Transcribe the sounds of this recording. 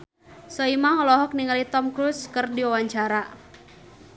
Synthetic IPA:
sɔimaŋɔlɔɦɔk̚niŋalit̪ɔmkɾuskɨrdiwawaɲt͡ʃaɾa

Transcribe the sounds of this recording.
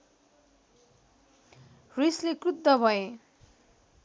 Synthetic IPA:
rislekrud̪ːʌbʱʌe

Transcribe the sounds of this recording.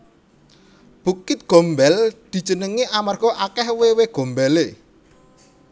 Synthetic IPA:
b̥ṳkɪt̪̚ɡ̥o̤mbɛld̪̥i̤̥d͡ʒənəŋiʔamarɡ̥ɔʔakɛhweweɡ̥o̤mbɛle

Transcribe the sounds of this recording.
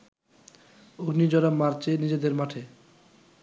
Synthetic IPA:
oɡnid͡ʑɔɾamːaɾt͡ɕʰenid͡ʑed̪eɾmaʈʰe

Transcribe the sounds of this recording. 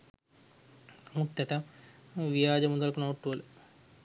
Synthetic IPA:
mut̪ːjɐt̪ɐmʋijaːd͡ʑɐmund̪ɐlkunoːʈːul

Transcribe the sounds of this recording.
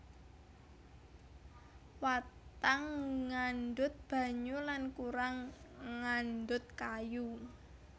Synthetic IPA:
wat̪aŋːanɖʊt̪̚b̥a̤ɲulankuɾaŋːanɖʊt̪̚kaju

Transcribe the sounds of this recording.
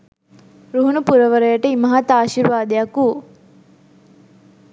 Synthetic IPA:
ɾuɦuɳupuɾɐʋɐɾɐjɐʈəimɐɦat̪aːʃiɾʋaːd̪ejɐku

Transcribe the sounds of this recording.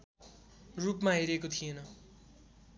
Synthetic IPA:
rupmaɦeɾekot̪ʰijenʌ

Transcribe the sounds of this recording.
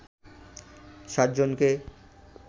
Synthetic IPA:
ʃat̪̚d͡ʑonke

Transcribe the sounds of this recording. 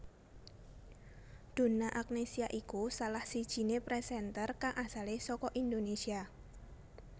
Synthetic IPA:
d̪̥o̤naʔak̚nesiaʔikusalahsid̥ʒ̥i̤nepɾɛsɛnt̪ərkaŋʔasalesɔkɔʔind̪onesia

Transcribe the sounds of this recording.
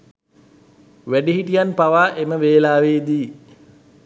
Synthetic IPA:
ʋæɖiɦiʈijanpaʋaːʔeməʋeːlaːʋeːd̪iː

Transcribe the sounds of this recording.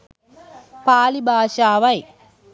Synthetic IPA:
paːlibʱaːʃaːʋɐj

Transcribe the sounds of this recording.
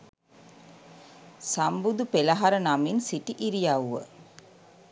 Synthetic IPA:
sambud̪upelaɦaɾənaminsiʈiʔiɾijaːuʋə̰

